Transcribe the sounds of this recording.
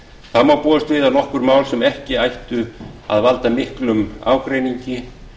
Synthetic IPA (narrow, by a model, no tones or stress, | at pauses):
θamawpɔːðʏst̪vɪːðanɔhkʏɾmaːwlsɛmɛhcɪajht̪ʏa̰ðvalt̪amɪhklʏma̰ːwkɾeːjniɲcɪ